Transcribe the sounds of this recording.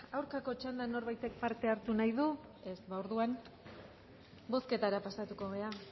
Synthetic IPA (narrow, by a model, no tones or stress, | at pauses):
awɾkako̞t͡ʃand̪ano̞ɾβajt̪e̞k̚paɾt̪e̞aɾt̪unajðue̞sβaoɾðuan | bo̞ske̞t̪aɾapasat̪uko̞ɣe̞a